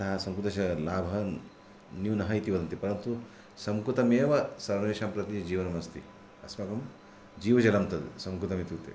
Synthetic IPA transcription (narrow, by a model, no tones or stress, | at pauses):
ɐɦɐsɐmkut̪ɐʃɐlaːbʱɐ | njinɐɦɐit̪iʋɐd̪ɐnt̪epɐɾɐnt̪u | sɐmkɾut̪ɐmeːʋɐsɐɾmɐeːʃaːmpɾɐt̪id͡ʒiːʋɐnɐmɐst̪i | ɐsmɐkɐm | d͡ʒiːʋɐd͡ʒɐlɐmt̪ɐd̪sɐmkut̪ɐmit̪iʋt̪ḛ